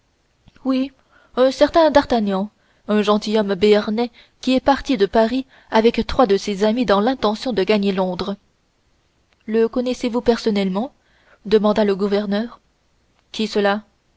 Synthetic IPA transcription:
wi | œ̃sɛʁt̪ɛ̃d̪aʁt̪aɲɑ̃ | œ̃ʒɑ̃t̪ijɔmbeɛʁnɛ | kʲiɛpaʁt̪id̪əpaʁi | avɛkt̪χwad̪əsezamid̪ɑ̃lɛ̃t̪ɑ̃sjɔ̃d̪əɡaɲelɔ̃d̪ʁə | ləkɔnɛsevupɛʁsɔnɛlmɑ̃ | d̪əmɑ̃d̪aləɡuvɛʁnœːʁ | kʲisəla

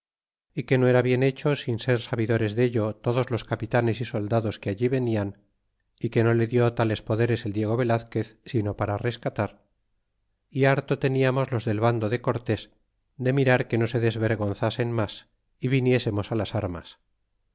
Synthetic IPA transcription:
ike̞no̞e̞ɾaβje̞ne̞t͡ʃo̞sinse̞ɾsaβiðo̞ɾe̞zðe̞ʎo̞t̪o̞ðozlo̞skapit̪ane̞siso̞ld̪aðo̞skeaʎiβe̞nian | ike̞no̞le̞ðjo̞t̪ale̞spo̞ðe̞ɾe̞seld̪je̞ɣ̞o̞β̞e̞laθke̞θsino̞paɾare̞skat̪aɾ | iaɾt̪o̞t̪e̞niamo̞zlo̞zðe̞lβand̪o̞ðe̞ko̞ɾt̪e̞s | d̪e̞miɾaɾke̞no̞se̞ðe̞zβe̞ɾɣo̞nθase̞nmas | iβinje̞se̞mo̞salasaɾma̰s

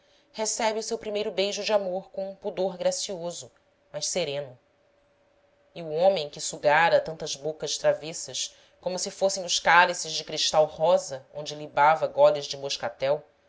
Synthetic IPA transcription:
hesɛbiusewpɾimejɾʊbejʒʊd͡ʒamoɾkõũpud̪oɾɡɾasiozʊ | mɐʃseɾẽnʊ | iuõmẽj̃kɪsuɡaɾɐt̪ɐ̃nt̪ɐzbokɐʃt̪ɾavisɐʃ | kõmʊsɪfosẽj̃ʊʃkalisɪzd͡ʒɪkɾiʃt̪awhɔzɐõ̰nd͡ʒɪlibavɐɡɔlɪzd͡ʒɪmoʃkat̪ɛw

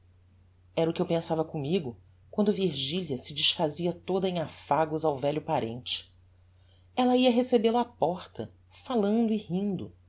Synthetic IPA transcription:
ɛɾɐʊkɪewpẽsavɐkomiɡʊ | kwɐ̃nd̪ʊviɾʒiliɐsɪd͡ʒiʃfaziɐt̪od̪ɐẽj̃afaɡʊzawvɛʎʊpaɾḛ̃nt͡ʃɪ̥ | ɛlɐiɐɦesebelʊapɔɾt̪ɐ̰ | falɐ̃nd̪ʊihĩnd̪ʊ

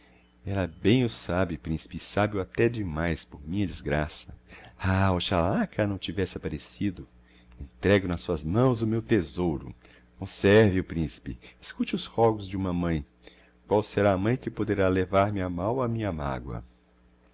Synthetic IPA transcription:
ɛlɐbẽj̃ʊsabɪpɾĩsi̥pɪsabɪʊat̪ɛd͡ʒɪmajspoɾmĩɲɐd͡ʒɪzɡɾasɐaʊʃalakʰɐnɐ̃w̃t͡ʃivɛsɪapaɾesid̪ʊ | ẽnt̪ɾɛɡʊnɐsuɐzmɐ̃w̃zʊmewt̪ezowɾʊ̰kõsɛɾvɪʊpɾĩsi̥pɪ̰eskut͡ʃɪʊshɔɡʊzd͡ʒɪũmɐmɐ̃j̃ | kwawseɾaːmɐ̃j̃kɪpod̪eɾalevaɾmɪamawɐmĩɲɐma̰ɡwɐ̰

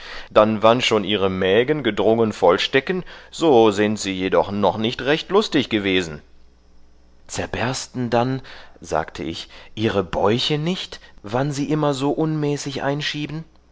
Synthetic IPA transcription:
d̥anvanʃoːnʔiːʁ̞əmɛːɡənɡədʁʊŋənfɔlʃtɛkən̩z̥oːzɪntz̥iːjedɔχnɔχnɪçtʁɛçtlʊstɪçɡ̥əveːzn̩ | t͡sɛɐbɛɐstn̩danza̰ːktʰəʔɪ̰çʔiːʁəbɔʏçənɪçtvanziːʔɪmɐzoːʔʊnmɛːsɪçʔa̰ɪnʃiːbn̩

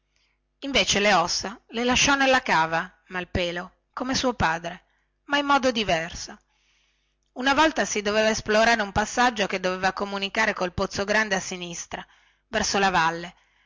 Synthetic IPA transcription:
iɱveːt͡ʃeleɔsːalelaʃːɔnelːakaːva | malpeːlo | komesuːopaːd̪ɾe | maimːɔːd̪od̪ivɛrso | unavɔlt̪asid̪oveːvaesploɾaːɾeumpasːad͡ʒːoked̪ːovevakomunikaːɾekolpot̪sːoɡɾand̪easːinist̪ɾa | vɛrsolavalːe

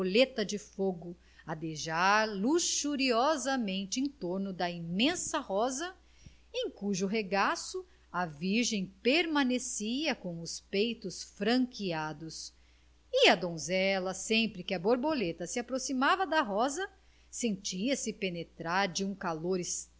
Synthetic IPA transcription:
olet̪ɐd͡ʒɪfoɡʊ | ɐd̪eʒaɾluʃuɾiɔzɐmẽnt͡ʃɪẽt̪oɾnʊd̪ɐimẽsɐhɔzɐ | ẽj̃kuʒʊɦeɡasʊ | ɐviɾʒẽj̃peɾmɐ̃nesiɐkõw̃ʊspejt̪ʊsfɾɐ̃ŋkiad̪ʊs | ɪɐd̪õzɛlɐsẽmpɾɪkɪɐboɾbolet̪ɐsɪapɾosimavɐd̪ɐɦɔzɐ | sẽnt͡ʃiɐsɪpenet̪ɾaɾd͡ʒɪũkaloɾɪs

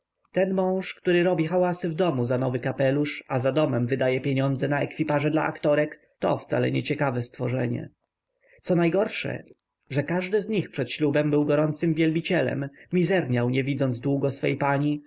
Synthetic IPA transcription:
t̪ɛnmɔ̃w̃ʂkt̪uɾɘɾɔbʲixawasɘvd̪ɔmuzanɔvɘkapɛluʂazad̪ɔmɛmvɘd̪ajɛpʲjeɲɔnd̪zɛnaɛkfʲipaʐɛd̪la̰ʔa̰kt̪ɔɾɛk | t̪ɔ̰ft̪sa̰lɛ̰ɲɛt͡ɕɛkavɛst̪fɔʐɛɲɛ̰ | t̪sɔnajɡɔɾʂɛ̰ | ʐɛkaʐd̪ɘzɲixpʂɛt̪ɕlubɛmbɘwɡɔɾɔnt̪sɘmvʲjɛlbʲit͡ɕɛlɛ̰mːʲizɛɾɲawɲɛvʲid̪zɔnd̪zd̪wuɡɔsfɛ̰jpaɲi

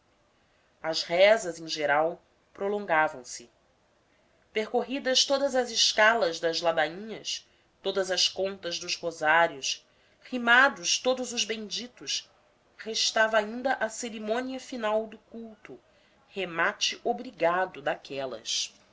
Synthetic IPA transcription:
ɐzhɛzɐzẽʒeɾaw | pɾolõŋɡavɐ̃w̃sɪ | peɾkoɦid̪ɐʃt̪od̪ɐzɐzɪʃkalɐzd̪ɐzlad̪aĩɲɐs | t̪od̪ɐzɐskõnt̪ɐzd̪ʊzhozaɾjʊs | himad̪ʊʃt̪od̪ʊzʊzbẽd͡ʒit̪ʊs | heʃt̪avɐaĩnd̪ɐʔɐseɾimõniɐfinawd̪ʊkuwt̪ʊ | hemat͡ʃɪʔobɾiɡad̪ʊd̪akʰɛlɐ̰s

